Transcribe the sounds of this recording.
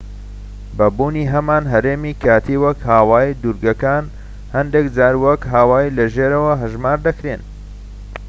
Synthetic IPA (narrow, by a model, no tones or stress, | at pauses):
bɐbuːniɦɐmaːnɦɐɾeːmikʰaːt̪ʰiːwɐkhaːwaːid̪uɾɡɐkaːn | hɐnd̪ekd͡zaːɾwɐkɦaːwaːilɐʒeːɾɐwɐɦɨʒmaːɾd̪ɐkɾen